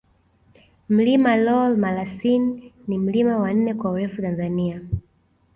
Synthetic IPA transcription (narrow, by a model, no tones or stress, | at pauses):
m̩limalɔlmalasinːim̩limawan̩nɛkwauɾɛfutanzania